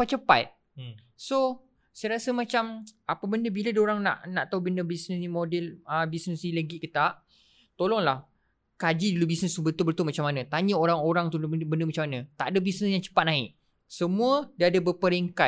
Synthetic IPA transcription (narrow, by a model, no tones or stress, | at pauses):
at͡ʃəpa̰t̪̚ | so | sajɾasəmãt͡ʃamapabəndəbiladaoɾaŋna̰ʔnãʔt̪aubəndəbisnəsnimodɛləbisnəsnĩləɡiʔkət̪aʔ | t̪olɔŋlah | kad͡ʒidulubisnəsubət̪ʊlbət̪ʊlmat͡ʃamːanãt̪aɲəoɾaŋoɾaŋt̪ubəndəmat͡ʃamanãt̪aʔadəbisnəsjaŋt͡ʃə̥pat̪̚naɪʔ | səmũədaadəbəpəɾeŋka